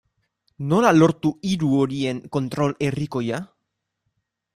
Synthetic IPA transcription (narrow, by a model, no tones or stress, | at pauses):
nolaloɾt̪uiɾuoɾie̞ŋko̞nt̪ɾo̞leriko̞ja